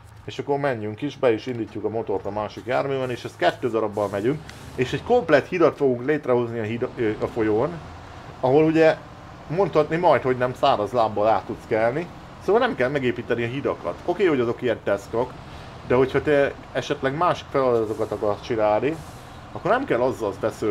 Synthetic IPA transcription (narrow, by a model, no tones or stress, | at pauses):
eːʃɒkːo̞rmɛɲːyŋkiʃbɛiʃind̪iːcːukɒmo̞t̪o̞rt̪ɒmaːʃikjaːrmeːbɛneːʃɛst̪̚kɛt̪ːøːd̪ɒɾɒbːɒlmɛɟyŋkeːʃɛɟko̞mplɛt̪hid̪ɒt̪fo̞ɡuŋkleːt̪rɛɦo̞zniɒɦid̪ɒfo̞joːn | ɒɦo̞luɟɛ | mo̞nt̪hɒt̪nimɒjt̪ho̞ɟnɛmsaːɾɒzlaːbːɒlaːt̪ːut̪skɛlni | soːvɒlnɛmkɛlmɛɡeːpiːt̪ɛniɒɦid̪ɒkɒ̰t̪o̞keːho̞ɟɒzo̞kiɛnt̪ɛsko̞k | d̪ɛɦo̞chɒt̪ɛ | ɛʃɛt̪lɛɡmaːʃi̥kfɛlɒd̪ɒt̪o̞kɒt̪ɒkɒrst͡ʃinaːlni | ɒkːo̞rnɛmkɛlːɒzːɒlb̪ɛsø